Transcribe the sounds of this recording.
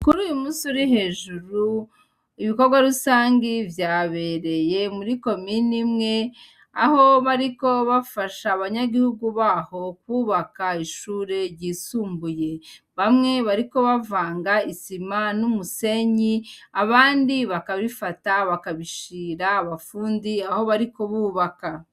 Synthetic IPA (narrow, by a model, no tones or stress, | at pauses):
kuɾuːjumuːsuɾihe̞ʒuɾu | iβiko̞ɾɡwaɾusaːŋɡivjaːβe̞ɾe̞je̞muɾiko̞minimŋe̞ | aho̞βaɾiko̞βafaʃaːβaɲaɡihuɡuβaːho̞kwuːβakaiʃuːɾe̞ɾɟiːsuːmbuje̞ | βamŋe̞βaɾiko̞βavaːŋɡaisimanumuse̞ɲiaβaːndiβakaβifataβakaβiʃiːɾaːβafuːndiaho̞βaɾikoβuːβaka